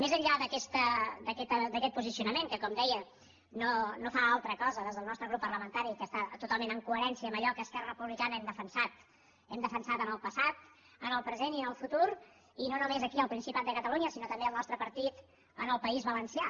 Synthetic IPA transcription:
mezəʎʎaðəkɛst̪əd̪əkɛt̪əd̪əkɛt̪̚puzisijunəmeŋkəkɔmd̪ɛjə | nonofaalˠt̪ɾəkɔzəðezðəlˠnɔst̪ɾəɣɾupːəɾləmənt̪aɾikəst̪at̪ut̪alˠmẽnəŋkuəɾɛnsiəːməʎɔkəːskɛrəpuβlikanəɛmd̪əfənsat̪ | ɛmd̪əfənsat̪ənəlˠpəsat̪ | ənəlˠpɾəzeniənəlˠfut̪uɾ | inonumezəkiəlˠpɾinsipat̪̚d̪əkət̪əluɲəsinɔt̪əmbeəlˠnɔst̪ɾəpəɾt̪it̪ | ənəlˠpəizβələnsia

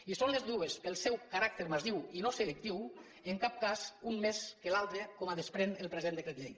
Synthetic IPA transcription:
isonlezðuespelˠsɛwkaɾak̚t̪eɾmaziwinoselek̚t̪iw | eŋkap̚kazunmeskelalˠt̪ɾekomaðespɾenelˠpɾezend̪ekɾet̪ʎej

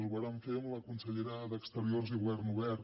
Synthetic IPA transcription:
zβaɾaɱfemləkunsəʎeɾaðəkst̪əɾioɾziɣuβɛrnuβɛɾ

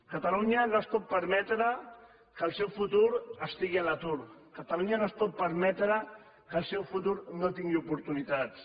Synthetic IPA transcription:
kət̪aluɲənoəspɔt̪̚pəɾmɛt̪ɾə | kəlˠsɛwfut̪uɾəst̪iɣiələt̪uɾkət̪aluɲanoəspɔt̪̚pəɾmɛt̪ɾə | kəlˠsɛwfut̪uɾnot̪iŋɡiupuɾt̪unit̪at̪s

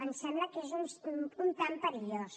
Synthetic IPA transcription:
ənsɛmbləkezunsunt̪ampəɾiʎos

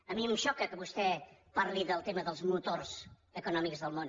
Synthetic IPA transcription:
əmiəmʃɔkəkəβust̪ɛpaɾliðəlˠt̪eməðəlˠzmut̪orz̥ | əkunɔmikzðəlˠmon

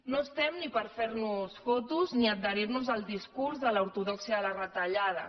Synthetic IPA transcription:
noəst̪ɛmnipəɾfeɾnusfɔt̪uzniəd̪̚d̪əɾiɾnuzəlˠd̪iskuɾzðəlauɾt̪uðɔksiələrət̪əʎað̞ə̰

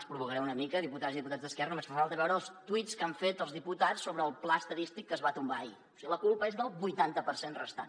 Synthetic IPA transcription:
spɾuβukəɾɛunəmikəðiput̪aziðip̬ut̪ad͡zzðəskɛɾrənumesfafalˠt̪əβɛwɾəlˠst̪uiskaɱfet̪əlˠzðiput̪asːoβɾəːlˠplast̪əðist̪ikːəzβat̪umbai | siɣiləkulˠpəezðəlˠβujt̪ant̪əpərsenrə̰st̪a̰n

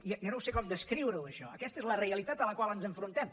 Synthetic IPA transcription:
inonowsekɔmd̪əskɾiwɾəwəʃɔ̰əkɛst̪əezləreəlit̪at̪ələkwalˠənzəɱfɾunt̪ɛm

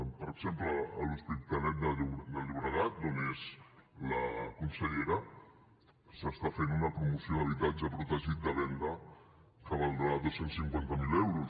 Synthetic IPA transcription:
pəɾəɡzempləːluspit̪anɛt̪̚d̪əd̪əʎuβɾəɣat̪̚onezləkunsəʎeɾə | səst̪afenunəpɾumusioðəβ̞it̪ad͡ʒəpɾut̪əʒit̪̚d̪əβɛnd̪ə | kaβalˠd̪əðosensiŋkwant̪əmilɛwɾu

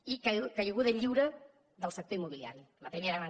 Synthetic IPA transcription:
ikakaʎeɣuðeɲʎiwɾɐ | ðɐlˠsɐk̚t̪oɾimoβilja̰ɾju | lɐpɾimeɾaβa

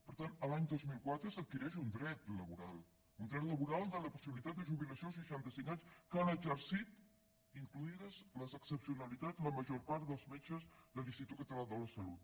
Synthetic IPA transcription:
pəɾt̪anəlaɲd̪ɔzmilˠkwat̪ɾəsət̪̚kiɾɛʃund̪ɾɛt̪ləβuɾalˠ | und̪ɾɛt̪ləβuɾalˠd̪ələpusiβilit̪at̪̚əʒuβiləsios̬əʃant̪əsiŋkaɲskanəd͡ʒəɾsit̪ | iŋkluiðəzləzəksəpsiunəlit̪ad͡zləməʒoɾpaɾt̪d̪əlˠzmet͡ʃəzðəlinst̪it̪ut̪kət̪əlaðələsəlut̪̚

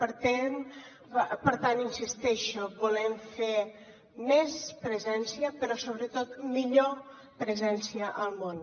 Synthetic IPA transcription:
pəɾt̪ɛn | pəɾt̪aninsist̪ɛʃobulɛɱfe | mɛspɾəzɛnsiəpəɾɔsoβɾət̪ot̪̚miʎo | pɾəzɛnsiəʔəlˠmon

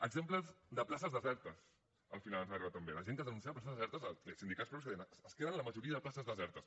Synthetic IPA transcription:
əɡzempləzd̪əplasəzðəzɛɾt̪əs | ə̰lˠfinalənzariβat̪ːəmbeləʒeŋkəðənuns̬iapɾls̬nzðəzɛɾt̪əzəesind̪ikatspɾus̬ðensəskeðənləməʒuɾiəðəplasəzðəzɛɾt̪əs

